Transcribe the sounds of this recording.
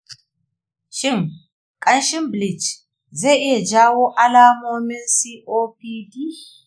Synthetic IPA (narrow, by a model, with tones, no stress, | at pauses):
ʃɪ˦n | kʼɐ˨˦nʃɪ˦mbli˨t͡ʃ | zɛ˦ʔe˨d͡ʒaː˦wo˦ʔɐ˦laː˦moː˦mɪ˦nsi˦ʔoː˦pi˦di˦